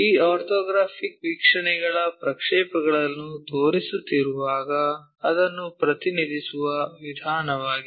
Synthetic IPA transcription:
iːaːɾt̪ʰɔːɡɾaːpʰikʋikʂɐɳɛɡɐɭɐpɾɐkʂɛːpɐɡɐɭɐnːud̪oːɾisut̪ːiɾuʋaːɡɐ | ɐd̪ɐnːupɾɐt̪inid̪ʱisuʋɐʋid̪ʱaːnɐʋaːɡi

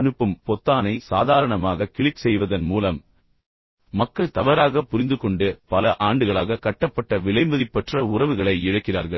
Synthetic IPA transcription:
nɯpːɯmpɔt̪ːaːnɐɪsaːðaːɾɐɳɐmaːɣɐkɪɭɪksɛjʋɐðɐnmuːlɐm | ɐkːɐɭt̪ɐʋɐɾaːɣɐpːʊɾɪnd̪ɯkɔɳɖɯpɐlɐʔaːɳɖɯɣɐɭaːɣɐkɐʈːɐpːɐʈːɐʋɪɭɐɪmɐðɪpːɛʈrɐʊrɐʋɯɣɐɭɐɪɪɻɯkːɪra̰ːɾɣɐɭ

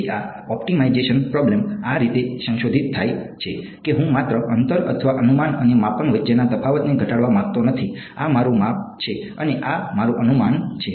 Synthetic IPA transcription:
a | ɔpʈimaid͡ʒeʃənpɾɔblemaɾit̪esə̃ŋʃod̪ʱit̪ʰːajt͡ʃʰe | keɦũmat̪ɾəʔənt̪əɾət̪ʰʋaʔənumanənemapənʋəd͡ʒenat̪əpʰaʋət̪neɡʱəʈaɽʋamak̚t̪onət̪ʰi | amaɾũmap̚t͡ʃʰe | əneʔamaɾũʔənumant͡ʃʰe

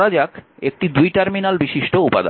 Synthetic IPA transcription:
ɾad͡ʑakek̚ʈid̪ujʈɛɾminalbiʃiʃʈoupa̰d̪a

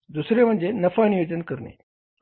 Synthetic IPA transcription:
d̪usɾem̤əɳd͡zenəfanijod͡ʑənkəɾnḛ

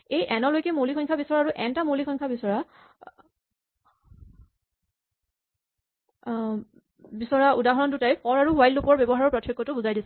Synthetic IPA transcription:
ejʔɛnɔlojkɛmolikʰɔŋkʰabisɔɹaaɹuʔɛntamolikʰɔŋkʰabisɔɹa | bisɔɹaudaɦɔɹɔndutajpʰɔɹaɹuɦwajllupɔɹbɔbɔɦaɹɔɹpɹɔtʰːjɔkːɔtʊbuzajdisɛ̥

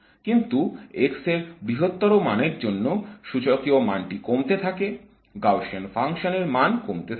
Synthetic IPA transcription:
kint̪uekseɾbɾiɦot̪ːɔɾomaneɾd͡ʑonːoʃut͡ɕokiomanʈikomt̪et̪ʰake | ɡawʃonfaŋʃoneɾmankomt̪et̪ʰ

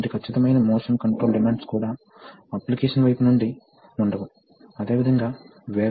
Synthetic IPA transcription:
ɖikʰɐt͡ʃːit̪ɐmɐjnɐmɔːsɐmkɐɳʈɾoːlɖimaːɳɖskuːɽaː | ɐplikeːʂɐnʋɐjpunuɳɖi | uɳɖɐʋu | ɐd̪e̞ːʋid̪ʱɐŋɡaːʋeː

